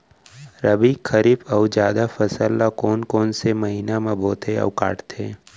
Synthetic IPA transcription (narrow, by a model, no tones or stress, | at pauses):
ɾəbikʰəɾiːbəʊd͡ʒjaːd̪afəsəlːakɔːnkɔːnsemɐɦiːnamãboːt̪eɐ̰ʋka̰ːʈt̪ʰẽː